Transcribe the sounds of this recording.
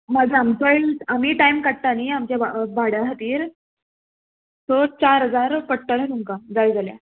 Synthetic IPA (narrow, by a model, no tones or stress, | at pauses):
mad͡ʑʱaamsəjnsamiːʈaimkaʈ̚t̪aniːamt͡ɕjababaɽjaɦat̪iːɾ | sot͡ɕaɾɦəd͡zaɾpəʈʈːəɾat̪uŋkad͡zajd͡zalja̰